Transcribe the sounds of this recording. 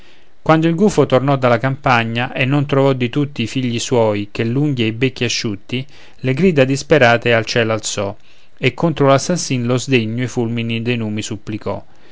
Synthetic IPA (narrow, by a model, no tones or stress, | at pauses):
kwand̪oilɡuːfot̪ornɔd̪alakampaɲːaʔenːont̪ɾovɔd̪it̪ut̪ːiːfiʎːiswɔːjkelːuŋɡieibekːiaʃːut̪ːi | leɡɾiːd̪ad̪ispeɾaːt̪ealt͡ʃɛːlalt̪sɔ | ekːont̪ɾolasːasːinlozd̪eɲːoefulminid̪ejnuːmisupːlikɔ̰